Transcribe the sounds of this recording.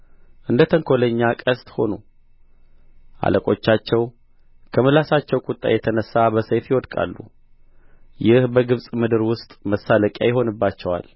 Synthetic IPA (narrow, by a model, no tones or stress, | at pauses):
ʔɨnd̪ət̪ʰəŋkʰo̞ləɲːakʼəst̪ʼho̞̰nu | ʔa̰lʔəkʼo̞t͡ʃːat͡ʃːɛw | kʰəməlasat͡ʃːɛwkʼʊt̪ʼːa̰jɛt̪ʰənəsːabəsəjt̪jɪwɔd̪kʼa̰lːṵ | jɪhbəɡɨβsʼmɨd̪ɨɾwʊst̪ʼməsːaləkʼja̰jɪɦo̞nɨbːat͡ʃːɛwa̰l